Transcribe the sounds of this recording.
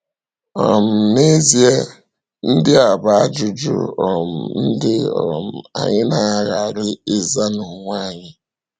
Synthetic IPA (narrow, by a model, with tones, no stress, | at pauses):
ɔ˨m̩˨ne˦zi˨e˦ | n̩˦dɪ˦a˨ba˨a˦d͡ʒʊ˨d͡ʒʊ̰˦ɔ˨m̩˨n̩˦dɪ˦ɔ˨m̩˨a̰˨ɲɪ˦na˦˨ɣa˨ɾɪ˦ɪ˦za˦nʊ˨ŋʷa˦˨ɲɪ˦